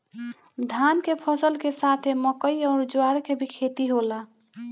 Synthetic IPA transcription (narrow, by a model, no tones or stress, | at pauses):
d̪ʱankepʰəsəlkesat̪ʰeməkəjɔːɾd͡ʒwaɽkebʱikʰet̪iɦola